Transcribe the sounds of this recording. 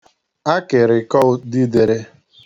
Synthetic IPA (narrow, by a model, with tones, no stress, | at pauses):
a˦kɪ˨ɾɪ˨kɔ˦ʊ˦di˦de˨ɾe˦